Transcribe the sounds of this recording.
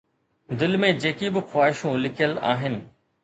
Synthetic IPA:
d̪ɪlmẽd͡ʑeːkibɪxwaːɦɪʃũlɪkʰijəla̰ːɦɪnɪ̆

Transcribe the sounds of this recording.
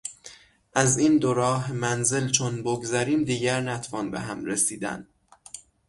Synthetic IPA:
ʔæzind̪oɾɒːɦemænze̞lt͡ʃʰonboɡzæɾiːmd̪iːɟæɾnæt̪ʰfɒːnbḛɦæmɾesiːd̪æ̰n

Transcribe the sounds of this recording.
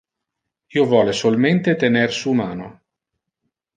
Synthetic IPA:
iːovwɔːlesolment̪et̪enersumaːno

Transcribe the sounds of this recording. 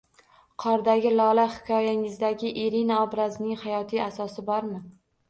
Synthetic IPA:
qʰɒɾd̪aɡʲɪlɒlahɪ̥kʰʲɒjaɪŋɪzd̪aɡʲɪʔeɾinaɒbɾaznɪŋhajɒt̪ʰijasɒsɪbɒɾmɪ

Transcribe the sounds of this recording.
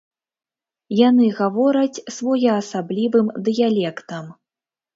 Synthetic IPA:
janɨɣavɔɾɐt͡sʲsvɔjɛːsablʲivɨmd̪ɨjalʲɛkt̪ɐm

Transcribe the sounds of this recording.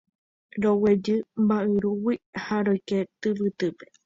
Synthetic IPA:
ɾowed͡ʒɨmbaʔɨɾuwihaɾojket̪ɨβɨt̪ɨpe

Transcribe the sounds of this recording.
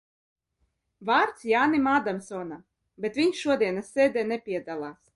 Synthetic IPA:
vaːɾt̪sjaːnimaːd̪amsɔːna | bʲɛt̪vʲiɲsʃuɔd̪iɛnasːɛːd̪ɛnɛpʲiɛd̪alˠaːs

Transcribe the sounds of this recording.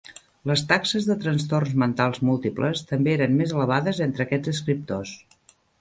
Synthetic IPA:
ləst̪aksəzðət̪ɾənst̪ornzmənt̪alˠzmulˠt̪iplə̰st̪əmbeeɾənmezələβaðəzent̪ɾəkɛd͡zəs̬kɾip̚t̪os

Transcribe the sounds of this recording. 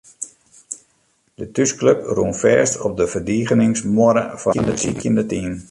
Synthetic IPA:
d̥ətyskløpruənfɛːstɔp̚dəvərdiːɣənɪŋsmoəɾə̰fɔəndətḭkjɪndətiːn

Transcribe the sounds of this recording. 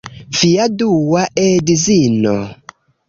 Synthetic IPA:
fiaduwaʔedizino

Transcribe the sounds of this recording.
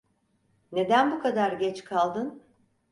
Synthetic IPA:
ne̞d̪ænbukʰad̪aɾɟɛt͡ʃkʰalˠd̪ɯn

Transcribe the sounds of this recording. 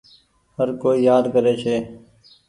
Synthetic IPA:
ɦəɾkoːiːjaːd̪kəɾeːt͡ʃʰeː

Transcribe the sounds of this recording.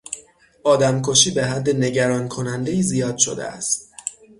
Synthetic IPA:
ʔɒːd̪æmkʰoʃiːbe̞ɦæd̪ːe̞ne̞ɟæɾɒːnkʰo̞nænd̪e̞jiːzijɒːd̪̥ʃo̞̰d̪ḛʔæ̰st̪̚

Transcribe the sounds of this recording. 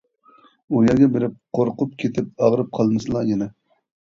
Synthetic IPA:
ujɑɡʲɛbeɾɪp̚qʰoɾqʊp̚kʲʰet̪ʰɪp̚ɑʁɾɨp̚qʰɑlˠnɨsɨlˠɑjenɛ

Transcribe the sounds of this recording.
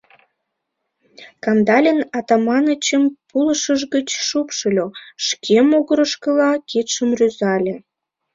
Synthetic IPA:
kɑmd̪ɑlʲənɑt̪ɑmɑnət͡ɕəmpuləʃəʒɣət͡ɕʃupʃəlʲoʃkʰemoɣəɾə̆ʃkə̆lɑkʰit̪ʃəmrøzɑlʲe

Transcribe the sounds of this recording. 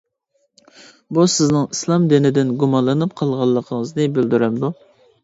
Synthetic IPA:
busɪznɨŋislˠɑmd̪ɪnɪd̪ɪnɡumɑnlˠənɨp̚qʰɑlˠʁɑlˠːəqʰəŋəznɨbɪld̪yɾæmd̪u

